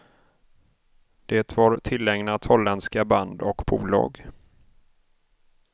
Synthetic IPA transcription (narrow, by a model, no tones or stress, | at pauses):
d̪̥eːt̪vɑɾt̪ʰɪlːɛŋnat̪hɔlːɛnskaband̪ɔkbʰuːlɑ̰ːɡ